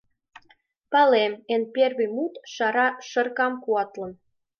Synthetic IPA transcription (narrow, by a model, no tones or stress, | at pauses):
pɑlemenpʲerβimut̪ʃɑɾɑʃɤ̆rkɑmkuɑt̪lɤ̆n